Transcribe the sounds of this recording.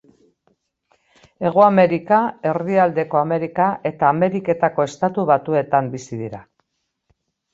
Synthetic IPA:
e̞ɣ̞oame̞ɾikae̞riald̪e̞ko̞ame̞ɾikaʔe̞t̪aːme̞ɾike̞t̪ako̞e̞st̪at̪uβat̪ue̞t̪ambisiðiɾa

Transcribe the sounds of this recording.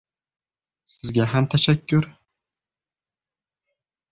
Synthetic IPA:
sɪzɡʲaɦamt̪ʰaʃakʲːʊɾ

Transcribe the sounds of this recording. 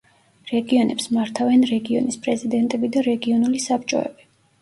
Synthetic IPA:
ɾɛɡiɔnʔɛpsmaɾt̪ʰavɛnɾɛɡiɔ̰nispʼɾɛzid̪ɛnt̪ʼɛbid̪aɾɛɡiɔnulisapʰt͡ʃʼɔ̰ɛ̰bi

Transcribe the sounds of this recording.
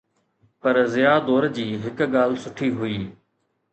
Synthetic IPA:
pɐɾzɪjaːd̪ɔːɾd͡ʑiːɦɪkɠaːl̤sʊʈʰiːɦʊiː

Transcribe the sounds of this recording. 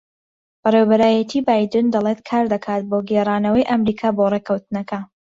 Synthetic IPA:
b̥ɐrewbɐɾaːjɐt̪ʰiːbaːjd̪ɨnd̪ɐlˠeːt̪kʰaːɾd̪ɐkʰaːt̪̚boːɡerˤaːnɐwɐjʔɐmɾiːkʰaːboreːkʰɐwt̪ɨnɐkɐ

